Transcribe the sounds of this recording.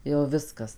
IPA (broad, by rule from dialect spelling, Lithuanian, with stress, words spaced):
jɛʊ ˈʋʲɪskɐs